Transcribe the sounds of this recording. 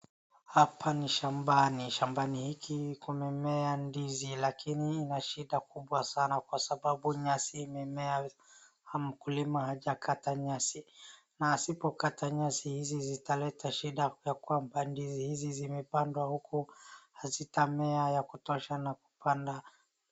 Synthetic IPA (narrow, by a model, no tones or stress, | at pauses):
hapʰaniʃambaniʃambanihikikumɛmɛandizilakʰiniinaʃiɗakuɓwasanakwasaɓaɓuɲasiːmɛmɛa | m̩kulimahaʄakʰataɲasi | nasipɔkatʰaɲasihizizitalɛtʰaʃiɗajakwambandizihizizimɛpandwahukuhazitamɛajakutɔʃanaku̥panda